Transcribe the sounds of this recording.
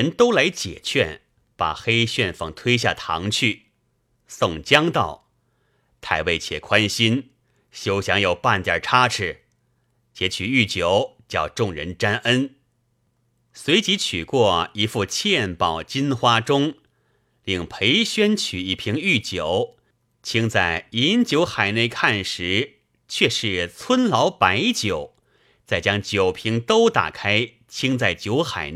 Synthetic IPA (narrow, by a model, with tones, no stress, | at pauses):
ɻə˧˥nt̪o˥ʊla˧˥ɪt͡ɕjɛ̰˨˩t͡ɕʰɥɛ̰˥˧n | pa̰˨˩xe˥ɪɕɥɛ˥˧nfɑ̰˨˩ŋt̪ʰwe˥ɪɕ̬ja̰˥˩t̪ʰɑ̰˧˥ŋt͡ɕʰy˥˩ | sʊ˥˩ŋt͡ɕjɑ˥ŋt̪ɑ˥˩ʊ | t̪ʰa˥˧ɪwe˥˩ɪt͡ɕʰjɛ̰˨˩kʰwa˥nɕi˥n | ɕjo˥ʊɕjɑ˧˥ŋjo˨˩ʊpa˥˧nt̪jɐ̰˥˩ʈ͡ʂʰa˥ʈ͡ʂʰɻ̩˥˧˩ | t͡ɕjɛ˧˥t͡ɕʰy˨˩y˥˩t͡ɕjo˨˧˩ʊ | t͡ɕjɑ̰˥˧ʊʈ͡ʂʊ˥˩ŋɻə̰˧˥nʈ͡ʂa˥nʔə˥n | swe˧˥ɪt͡ɕi˧˥t͡ɕʰy˨˩kwɔ˥˩i˧˥fu˥˧t͡ɕʰjɛ˥˧npɑ˨˩ʊt͡ɕi˥nxwa˥ʈ͡ʂʊ˥ŋ | li˥˩ŋpʰe˧˥ɪɕɥɛ˥nt͡ɕʰy˨˩i˥˩pʰi˧˥ŋy˥˩t͡ɕjo˨˩˦ʊ | t͡ɕʰi˥ŋt͡sa˥˩ɪi˧˥nt͡ɕjo˧˥ʊxa˨˩ɪne˥˧ɪkʰa˥˩nʂɻ̩˧˥ | t͡ɕʰɥɛ˥˧ʂɻ̩˥˩t͡sʰwə˥nlɑ˧˥ʊpa˧˥ɪt͡ɕjo˨˩˦ʊ | t͡sa˥˩ɪt͡ɕjɑ˥ŋt͡ɕjo˨˩ʊpʰi˧˥ŋt̪o˥ʊt̪a̰˨˩kʰa˥ɪ | t͡ɕʰi˥ŋt͡sa˥˩ɪt͡ɕjo˧˥ʊxa̰˨˩ɪn